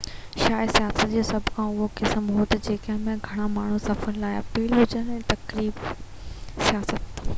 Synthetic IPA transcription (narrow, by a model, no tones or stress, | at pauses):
ʃaːɪsijaːsət̪̚d͡ʑoːsɐbʱkʰãːʊɦokesəmɦoːt̪ɐd͡ʑeːkɐɦɪ̃mẽɡʱɐɽ̃amaːɳ̤usɐfəllaːɪɐpiːlɦʊd͡ʑənɛ̃ːt̪ɐkɾiːb | sijaːsət̪